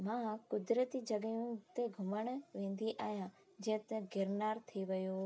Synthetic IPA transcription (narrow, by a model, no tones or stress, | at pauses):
mãːkʊd̪ɾət̪id͡ʑɐɠəjũt̪eɡʱʊməɽ̃ʋẽːn̆d̪iʔaːɦijã | d͡ʑẽːt̪əɡɪɾnaːɾt̪ʰiʋɐjo